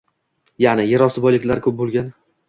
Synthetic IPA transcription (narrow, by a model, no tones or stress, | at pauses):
janɪjaɾɒsɪbɒjlɪkʲlaɾkʲʰɵp̚bolˠɡʲan